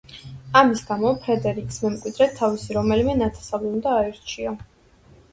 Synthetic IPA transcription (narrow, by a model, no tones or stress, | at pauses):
amisɡ̥amɔpʰɾɛd̪ɛɾikʼsmɛmkʼwid̪ɾɛt̪ʰːavisiɾɔmɛlimɛnat̪ʰḁsavlɛund̪aːiɾt͡ʃʰiɔ